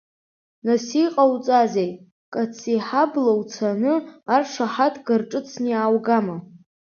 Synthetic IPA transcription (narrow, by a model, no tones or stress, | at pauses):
nasiqʼawt͡sʼazejtʼ | kʼat͡sʰiħablowt͡sʰanɨarʂaħatʰɡarʈ͡ʂʼɨt͡sʰniaːwɡama